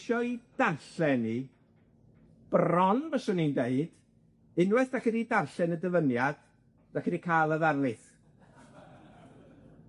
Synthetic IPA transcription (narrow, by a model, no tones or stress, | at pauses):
ʃɔid̥arɬɛni | b̥rɔnvəsʊnindeɨd̥ | ɪnwɛθd̥akədidarɬɛnədəvənjad̥ | d̥akədikʰaːlˠəðarlˠɪθ